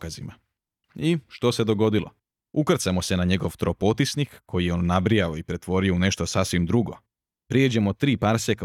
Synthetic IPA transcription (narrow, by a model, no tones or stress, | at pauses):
kazima | iʃt̪o̞se̞d̪o̞ɡo̞d̪ilˠo̰ | ukr̩t̪samo̞se̞naɲe̞ɡo̞ʋt̪ɾopot̪isnikkʰo̞jijeonːabɾijaoipɾe̞t̪ʋo̞ɾioune̞ʃt̪o̞saːsʋimd̪ɾuɡo̞ | pɾied͡ʑemo̞t̪ɾiːpaɾsek